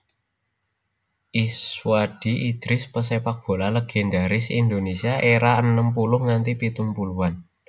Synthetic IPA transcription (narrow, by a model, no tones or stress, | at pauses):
ʔiswad̥i̤ʔid̪̥ɾɪspəsepak̚b̥o̤laləɡ̥ɛ̤nd̪aɾɪsḭnd̪onesiaʔeɾaənːəmp̬ulʊhŋant̪ipit̪umpuluwan